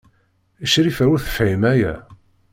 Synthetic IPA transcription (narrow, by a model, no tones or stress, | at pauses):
əʃɾifæuɾθə̥fʕimæjæ̰